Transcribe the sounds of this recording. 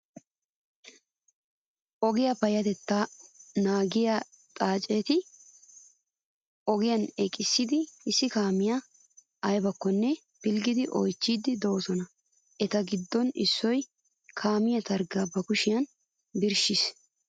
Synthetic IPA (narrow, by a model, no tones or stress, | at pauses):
ʔɔɡɪjɐpɐjɐt̪ɛt̪ːanaːɡɪjɐ | t̪ʼaːt͡ʃʼeːt̪ɪ | ʔɔɡɪjɐnɛkʼːɪsːɪd̪ɪɪsːɪkaːmɪjɐ | ɐjbɐkːɔnːɛ | pɪlɡɪd̪ɪʔɔ̰jt͡ʃːiːd̪ɪd̪owɔsɔnɐ | ʔɛt̪ɐɡɪd̪ːɔnɪ̰sːɔj | kʰaːmɪjɐt̪ɐɾɡɐːbɐkʊʃɪjɐn | bɪɾʃɪs